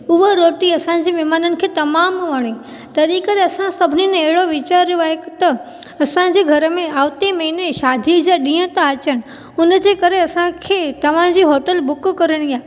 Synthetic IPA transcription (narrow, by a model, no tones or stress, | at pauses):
ʊɦoɾoːʈiɐsãd͡ʑiːmɛːmaːnənɪ̆kʰeːt̪ɐmaːmʋɐɽ̃i | t̪ɐɾikəɾeɐsãsɐbʱɪniñɐɦɪɽoʋɪt͡ɕaːɾːjoaːɦet̪ɐ | ɐsãd͡ʑeːɡʱɐɾəmẽaːʋt̪emɐineʃaːd̪ʱid͡ʑaɗĩːə̃t̪aɐt͡ɕəɽ̃ɪ̆ | ʊnə̆d͡ʑeːkɐɾeɐsãkʰeːt̪ɐʋ̤ãd͡ʑiːɦoːʈəlbʊkkɐɾəɽ̃ijaː